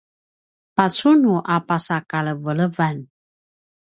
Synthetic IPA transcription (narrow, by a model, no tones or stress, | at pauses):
pasunuʔapasakaləvələvan